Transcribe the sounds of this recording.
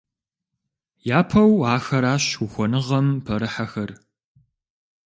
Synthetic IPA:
jaːpʰɐwaːxɐɾaːɕuxʷɔnɨʁɐmpʰɐɾɨħaxɐr

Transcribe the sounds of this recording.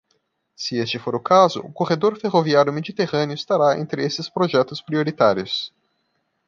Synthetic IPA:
sɪest͡ʃɪfoɾʊkazʊ̰ʊkoʁed̪oɾfeʁoviaɾjʊmed͡ʒit̪eʁɐ̃nɪʊist̪aɾaḛ̃nt̪ɾɪesɪspɾoʒɛt̪ʊspɾioɾit̪aɾiʊs

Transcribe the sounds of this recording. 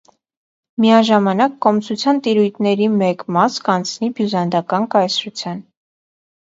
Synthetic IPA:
mijɑʒɑmɑnɑkːɔmt͡sʰut͡sʰjɑnt̪iɾujt̪ʰnɛɾimɛkmɑskɑnt͡sʰnibjuzɑnd̪ɑkɑnkɑjsɾut͡sʰjɑn

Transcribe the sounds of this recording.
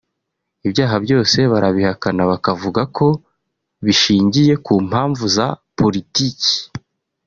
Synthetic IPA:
iβjaːɦabɟo̞ːse̞βaɾaβihakanaβakavuɡakʰo̞ | βiʃiːɲɟije̞kuːm̥haːɱvuzapo̞ɾitiːci̥

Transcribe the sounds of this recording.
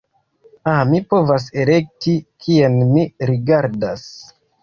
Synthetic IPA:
amipo̞vas̬e̞le̞k̚tikʰienmiɾiɡaɾdas

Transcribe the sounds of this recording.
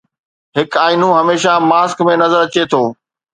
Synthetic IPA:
ɦɪkaːinũɦɐmeːʃamaːskmẽnɐzəɾɐt͡ɕet̪ʰoː

